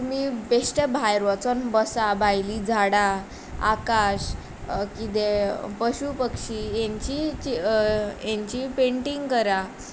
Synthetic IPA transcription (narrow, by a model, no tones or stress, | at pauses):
t̪umibesʈəbʱajɾʋət͡sənbəsabʱajlid͡zʱaɽa | a̰kaɕ | kit̪̬epəɕupəkʂijẽɲt͡ɕit͡ɕijẽɲt͡ɕipeɳʈiŋɡkəɾa